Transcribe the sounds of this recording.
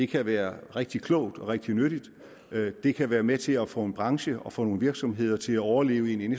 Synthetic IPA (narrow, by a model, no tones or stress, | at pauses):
de̝kʰæʋæːɐʁeɡ̥̚d̥ikʰlɔʊd̥ɒ̽ʁeɡ̥̚d̥inøɾ̥id̥ | d̥e̝kʰæʋæːɐmet͡sʰe̝læfɔ̰̽ːe̝nb̥ʁɑ̈ŋɕəɒ̽fɔ̰ːno̝ːn̩ʋiɐɡ̥sɒ̽mɦe̝ð̰ˠɐt͡sʰe̝læɒʊɐle̝̰ːʊe̝nens